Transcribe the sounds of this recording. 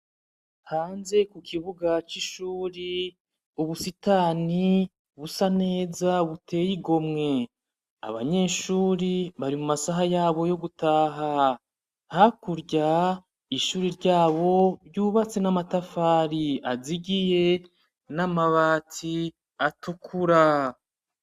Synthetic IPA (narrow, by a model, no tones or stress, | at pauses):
haːnze̞kukʰiβuɡat͡ʃiʃuːɾi | uβusitaːni | βusane̞ːzauβutʰe̞ːjiɡo̞mŋe̞ | a̰βa̰ɲe̞ːʃuːɾiβaɾimumasaɦajaːβo̞jo̞ɡutaːɦa | hakuɾɟa | iʃuːɾiɾɟaːβo̞ɾɟuːβat͡se̞namatafaːɾiaziɡije̞ | namaβaːti | atukʰuɾa